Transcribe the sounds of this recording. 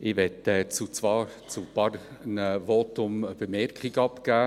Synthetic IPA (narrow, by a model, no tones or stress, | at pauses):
ɪʋɛt̪ɛt͡sut͡svɑːɾ | t͡supɑrnəvotʊməb̥əmɛrkχiɡɑpkæː